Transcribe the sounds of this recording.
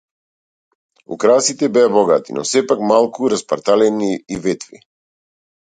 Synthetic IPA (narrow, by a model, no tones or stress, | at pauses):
ṵkɾasit̪ɛbɛabɔɡat̪ḭnɔ̰sɛpakmalˠkuɾaspaɾt̪alɛniːvɛt̪vḭ